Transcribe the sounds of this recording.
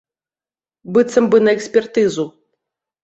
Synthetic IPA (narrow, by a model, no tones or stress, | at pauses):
bɨt̪sɐmbɨnɐɛksʲpʲɛrt̪ɨzu